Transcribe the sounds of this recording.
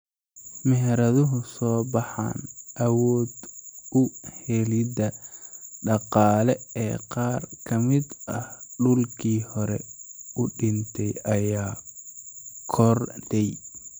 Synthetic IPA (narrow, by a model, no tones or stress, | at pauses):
mɛɦɛɾɐðʊɦʊsɔːbɑħa̰ːnʔɐwɔːd̪ʊhɛlɪdɐ | ɖɑqɑːlɛɛ̰ːqɑːrkʰɐmɪd̪ɐhɖʊlkʰiːhɔɾɛ̰ʊɖɪnt̪ʰɛjɐjaː | kʰɔrd̪ɛj